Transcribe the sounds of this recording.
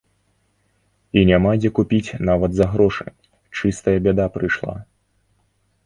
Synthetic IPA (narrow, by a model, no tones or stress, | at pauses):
inʲamad͡zʲɛkupʲit͡sʲnavɐd̪zɐɣɾɔʂɨ̰ | t͡ʂɨst̪ɐjɐbʲɛd̪apɾɨjʂlˠa̰